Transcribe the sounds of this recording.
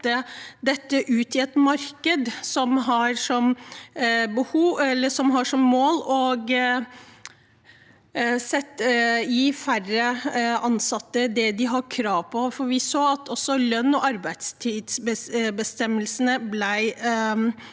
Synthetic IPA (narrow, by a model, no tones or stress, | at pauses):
əd̪ɛt̪ːəʔʉːt̪ɪɛt̪mɑɾkəd̪sɔmɦɑɾʂɔm | bəhuːɛlːəʂɔmɦɑʂɔmːoːlɔɡ | sɛt̪ːɪfærəɑnsɑt̪ːəd̪ɛd̪ɪɦɑkʰɾɑːʋpʰɔfɔɾʋɪsoːɑt̪ʰɔsːɔlœnːɔʔɑɾbæɪd̪st̪ʰiːd̪sbəbəst̪ɛmːəlsənəblæɪ